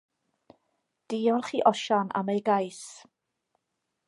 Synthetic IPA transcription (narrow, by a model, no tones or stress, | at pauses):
d̥iːɔrχiːʔɔʃana̰mejɡajs